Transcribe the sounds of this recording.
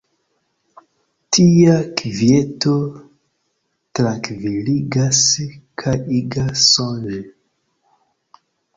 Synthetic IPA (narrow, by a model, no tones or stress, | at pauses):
tʰiakvjeto | tɾaŋkviliɡaskʰajʔiɡasond͡ʒe